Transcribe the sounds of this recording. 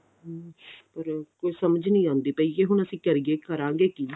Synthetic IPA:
pəɾkoːiːsəməd͡ʒnəĩːãːnd̪iːpəiːeːɦʊɳəsĩːkəɾiɡeːkəɾãːɡeːkiː

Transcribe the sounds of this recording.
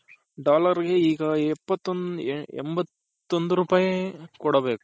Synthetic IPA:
ɖaːlɐɾɡeiːɡɐɛpːɐt̪ːonḛmbɐt̪ː | ond̪uɾupaːjɐkɔɽɐbeːku̥

